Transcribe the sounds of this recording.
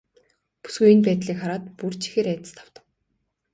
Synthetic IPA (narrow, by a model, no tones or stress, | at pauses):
pu̥sɡujinpæːt̪ɮiːkχaɾaːt̪purt͡ɕʰi̥xeːɾæːt̪ə̥̆st̪ʰḁwt̪ə̆w